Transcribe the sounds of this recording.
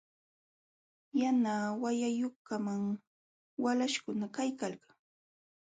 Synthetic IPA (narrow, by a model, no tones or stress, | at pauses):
janaːwajajokamaŋ | walaʃkʊnakajkalkḁŋ